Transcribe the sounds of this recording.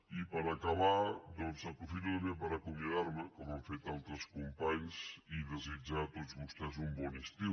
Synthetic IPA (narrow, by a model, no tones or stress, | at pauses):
ipəɾakaβad̪ɔnzapɾufit̪umepəɾakumjəðaɾməkɔmaɱfet̪alˠt̪ɾəskumpaɲziðəzid͡ʒat̪ozβust̪ɛz̬umbɔnist̪iw